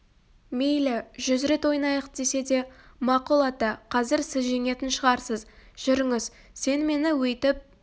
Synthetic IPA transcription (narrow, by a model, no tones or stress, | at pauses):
mejlɪʒʏzɾe̞t̪wo̞jnɑjəqd̪̥e̞se̞d̪e̞ | mɑqulˠɑt̪ɑqʰɑzɪɾsɪzʒe̞ŋe̞t̪ɪnʃəʁɑɾsəzʒ̥ʏɾɪŋɪz | se̞nme̞nɪwɵjt̪ɪp̚